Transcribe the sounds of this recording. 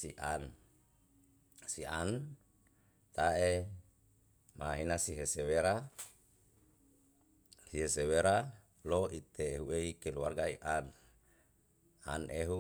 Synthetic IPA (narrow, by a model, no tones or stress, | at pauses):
siʔan | sian | t̪ae | maɦinasiɦeseweɾa | siɦeseweɾa | loit̪eːɦueikeluarɡaiʔan | a̰nʔeɦu